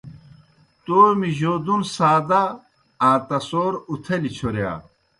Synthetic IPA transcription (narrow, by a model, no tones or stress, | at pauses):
t̪oːmiʑoːd̪unsaːd̪a | ãːt̪ɐsoːɾut̪ʰɐlit͡ɕʰoɾja̰ː